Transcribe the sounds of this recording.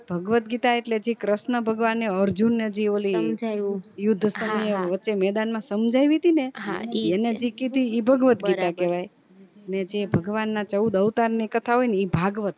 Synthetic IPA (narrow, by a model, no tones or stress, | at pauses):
bʱəɡʋət̪̚ɡit̪aeʈled͡ʒikɾəsnəbʱəɡʋanːeəɾd͡ʒunːəd͡ʒiolid͡ʒjʊd̪ʱːəsəmjeʋətːt͡ʃemɛd̪anmãsəmd͡ʒʱajʋit̪ineɦa̰ened͡ʒikid̪ʱiːbʱəɡʋət̪ɡiɾakeʋaj | əned͡ʒebʱəɡʋanːat͡ʃəud̪əʋt̪aɾnikət̪ʰaɦojneibʱaɡʋət̪